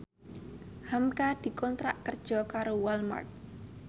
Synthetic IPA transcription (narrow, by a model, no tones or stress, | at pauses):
hamkad̪̥i̤kɔnt̪ɾa̰ʔkərd̥ʒ̥ɔ̤kaɾowalma̰rt̪̚